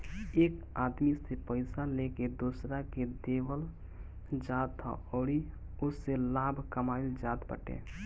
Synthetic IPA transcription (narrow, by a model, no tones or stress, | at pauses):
eːk | aːd̪misepəɪsaleked̪oːsɾaked̪eːʋəl | d͡ʒaːt̪ʰə̰ɔːɽi | ʊsːelaːbʱkəmaːɪld͡ʒaːt̪bə̰ʈḛː